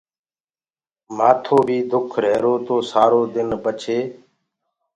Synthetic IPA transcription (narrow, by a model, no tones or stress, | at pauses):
maːt̪ʰoːbʱiːd̪ʱʊkʰɾeːɾoːt̪oːsaːɾoːd̪ɪnbət͡ʃʰeː